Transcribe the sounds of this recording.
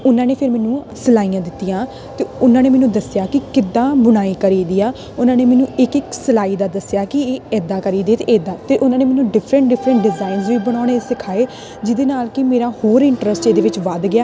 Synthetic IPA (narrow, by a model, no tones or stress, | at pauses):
ʊnãːneːpʰɪɾmɛːnũːsəlaːijãːd̪ɪt̪ːijãː | t̪eːʊnãːneːmɛːnũːd̪əsjaːkɪkɪd̪ãːbʊnaːiːkəɾiːd̪ijaː | ʊnãːneːmɛːnũːɪkɪksəlaːiːd̪aːd̪əsjaːkɪeːɛːd̪aːkəɾiːd̪eːt̪eɛːd̪aːt̪eːʔʊnãːneːmɛːnũːɖɪpʰɾə̃ɳʈ̚ɖɪpʰɾə̃ɳʈ̚ɖɪzaːɪnzʋiːbəɽ̃aːʊɽesɪkʰaːeː | d͡ʒɪd̪eːnaːlkɪmeːɾãːhoːɾɪ̃ɳʈɾəsʈeːd̪eːʋɪt͡ʃʋəd̪ɡɪjaː